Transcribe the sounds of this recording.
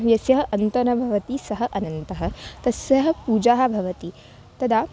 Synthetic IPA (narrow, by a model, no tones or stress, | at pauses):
ʋjɐsjɐɦɐ̆ʔɐnt̪ɐnɐbʱɐʋɐt̪isɐɦɐ̆ʔɐnɐnt̪ɐɦɐ̆t̪ɐsjɐɦɐ̆puːd͡ʒaːɦɐ̆bʱɐʋɐt̪i | t̪ɐd̪aː